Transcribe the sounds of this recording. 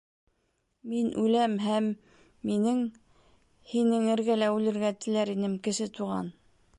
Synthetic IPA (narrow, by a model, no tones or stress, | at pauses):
minʔʉlæmɦæmː | inɘŋ | hinɘŋɘ̆ɾɡælæʉlɘ̆ɾɡæt̪ɘ̆læɾinɘmkɘ̆ʃɘt̪uʁɑ̰n